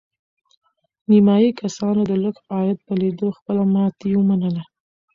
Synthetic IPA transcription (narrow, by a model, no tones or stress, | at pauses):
nimɑjikasɑnod̪ələkɑjat̪̚pəled̪oxpəlamɑt̪ewəmanəla